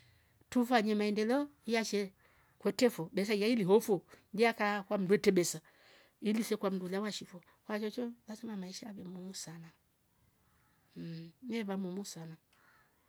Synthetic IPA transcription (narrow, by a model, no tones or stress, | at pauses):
tufaɲɛmaɛndɛlɛɔijaʃɛ | kwɛtɛfɔɓɛs̬aijailiɦɔfuɲd͡ʒiakakwam̩duɛtɛɓɛsa | ilisɛkwam̩dulawaʃifɔ | hwat͡ʃɔt͡ʃɔlasɛmamaiʃaːβɛmumusana | nɛβamumusana